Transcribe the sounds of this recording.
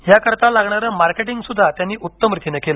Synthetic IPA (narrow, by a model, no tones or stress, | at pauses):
ɦjakəɾt̪alaɡɳaɾəmaɾkeʈiŋɡsud̪ʱːat̪janːiːʔut̪ːəmɾit̪ʰinekela